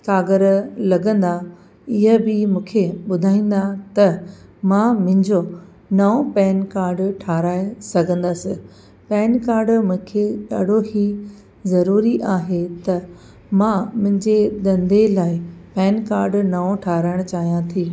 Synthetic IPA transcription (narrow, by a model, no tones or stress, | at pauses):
kaːɡəɾlɐɡə̃nd̪a | ɪɦəbɪmũːkʰeɓʊd̪ʱaːĩːnd̪at̪ɐmãːmʊ̃ɦɪ̃ɲd͡ʑo | nɐõpɛːnkaːɾɖʈʰaːɾaːesɐɡʱə̃nd̪aːsɪ | pɛːnkaːɾɖmʊ̃ɪ̃kʰeɗa̰ːɖ̤ʱoɦi | zɐɾuːɾiʔaːɦet̪ɐ | mãmʊ̃ɦɪ̃ɲd͡ʑed̪ɐ̃nd̪ʱelaːɪpɛːnkaːɾɖnɐõʈʰaːɾaːɪɽ̃t͡ɕaːɦijãt̪ʰiː